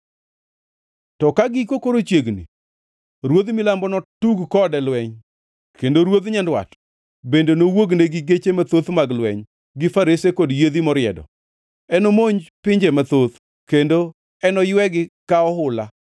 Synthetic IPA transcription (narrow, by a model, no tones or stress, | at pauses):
tɔkaɡikokoɾot͡ʃjeɡnḭ | ɾwod̪milambɔnɔtuɡkɔdɛlwɛɲ | kendoɾwod̪ɲandwa̰t | bendenowoɡneɡɪɡet͡ʃemat̪ot̪maɡlwɛɲ | ɡɪfaɾesekodjed̪imɔɾɪɛ̰dɔ̰ | ɛnomoɲpɪɲd͡ʒemat̪ot̪ | kendo | ɛnɔjwɛɡɪkaɔɦʊla